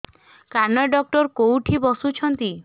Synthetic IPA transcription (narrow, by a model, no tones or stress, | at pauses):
kaɾnɔɖɔk̚ʈɔɾkowʈʰibɔsut͡ʃʰɔnt̪i